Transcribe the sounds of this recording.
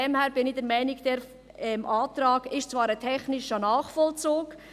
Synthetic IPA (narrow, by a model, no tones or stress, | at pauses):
ɛmhɛːɾb̥ɪnɪdɛɾmɛɪnɪɡd̥ɛɾ | ɛmʔaːt̪ɾɑːɡɪʃt͡svɑːɾətʰɛχnɪʃənaːχfɔlt͡suːk